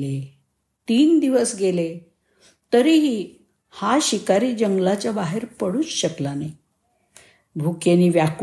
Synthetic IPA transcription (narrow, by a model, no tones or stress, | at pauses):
e | t̪iːnd̪iʋəsɡele | t̪əɾiɦiː | haɕikaɾiːd͡ʑəŋɡlat͡ɕjabaɦeɾpəɽuːt͡sɕəklane | bʱukeniːʋjak